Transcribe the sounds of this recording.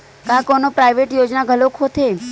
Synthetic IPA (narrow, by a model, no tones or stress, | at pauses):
kãkɔnopɾajʋeʈjod͡ʒnaɡʱəlokʰot̪ʰe